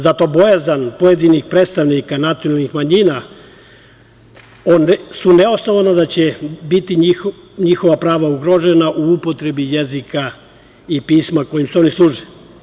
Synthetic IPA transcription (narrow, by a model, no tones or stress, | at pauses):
zat̪o̞bo̞jezanpojed̪inixpɾet̪st̪aʋnikanat̪sionalnixmaɲiːna | onsuneosno̞ʋanad̪at͡ɕebit̪ii | ɲixo̞ʋapɾaːʋauɡɾo̞ʒenaʔuupo̞t̪ɾe̞bije̞zika | ipiːsmako̞jimsuo̞nislˠuːʒili